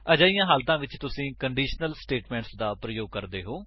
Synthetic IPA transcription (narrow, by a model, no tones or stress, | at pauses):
əd͡ʒaːijãːɦəːlt̪ãːʋɪt͡ʃt̪ʊsĩːkəɳɖiːʃnəlsʈeːʈmɛ̃ːɳʈsd̪aːpɾəjoːɡ̚kəɾd̪eːɦoː